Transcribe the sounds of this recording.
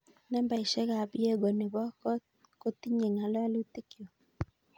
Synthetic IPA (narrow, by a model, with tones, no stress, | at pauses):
nɛ˦mba˨ɪ˨ʃɛ˦ɡa˨bɪ˦e˦ɡo˨nɪ˨bɔ˦k | ko˦t̪i˦ɲe˨ŋa˨lɔ˦a˦lu˦t̪i˦kjo˨